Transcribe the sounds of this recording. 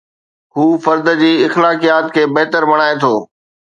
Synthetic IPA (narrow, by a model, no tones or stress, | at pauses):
huːfɐɾd̪d͡ʑiːɪxlaːkijaːt̪kʰeːbɐɦt̪əɾmɐɽ̃aːet̪ʰoː